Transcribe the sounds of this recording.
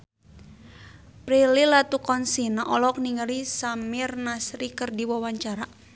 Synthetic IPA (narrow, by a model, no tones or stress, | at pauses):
pɾililat̪ukɔnsinaʔɔlɔk̚niŋaɾisamirnasɾikərdiwawaɲt͡ʃaɾa